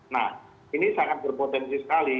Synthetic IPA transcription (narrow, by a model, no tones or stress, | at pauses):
nah | inisaŋat̪̚b̥ərpot̪ɛnsisə̥kali